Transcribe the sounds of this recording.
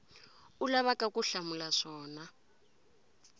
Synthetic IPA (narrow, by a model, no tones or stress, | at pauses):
ulaβakakuɬamulaʂɔːna